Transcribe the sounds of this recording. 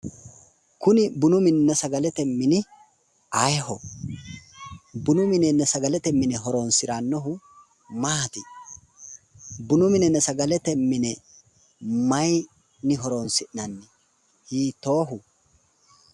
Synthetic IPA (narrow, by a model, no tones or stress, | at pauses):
kʊnɪbʊnʊmɪnnɛsɐɡɐlɛt̪ɛmːɪnɪ | ɐjhɔ | bʊnʊmɪnɛnɛsɐɡɐlɛt̪ɛmːɪnɛɦɔɾonsɪɾanːɔɦʊ | maːt̪ɪ | bʊnʊmɪnɛnɛsɐɡɐlɛt̪ɛmːɪnɛ | mɐj | nɪɦɔɾonsɪʔnɐnːɪ | hiːt̪o̞ːɦʊ